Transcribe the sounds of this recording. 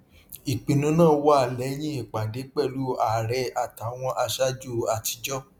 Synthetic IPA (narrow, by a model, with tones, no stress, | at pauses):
i˨k͡pĩ˧nũ˨˦nãː˦˨wa˦˨lɛ˨˦j̃ĩ˦i˨k͡pa˨de˨˦k͡pɛ˦˨lu˨˦a˨ɾɛ˧˦a˦˨ta˨˦w̃ɔ̃˧ʔa˧ʃa˦d͡ʒu˦˨a˨ti˨˧˦d͡ʒɔ˦